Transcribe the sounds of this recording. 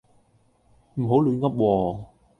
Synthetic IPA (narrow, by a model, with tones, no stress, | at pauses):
m̩˨˩ɦo˨˥wlyː˨˧nkɐ˥p̚wɔː˧